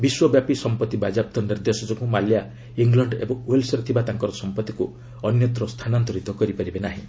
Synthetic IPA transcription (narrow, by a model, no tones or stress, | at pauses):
biswɔbjapisɔmpɔt̪ːibad͡ʒap̚t̪ɔniɾd̪esɔd͡ʒɔkumalja | iŋɡlɔɳɖebɔŋwelsɔɾet̪ʰibat̪aŋkɔɾɔsɔmpɔt̪ːiku | ɔnjɔt̪ɾɔst̪ʰanant̪ɔɾit̪ɔkɔɾipaɾibenaɦĩ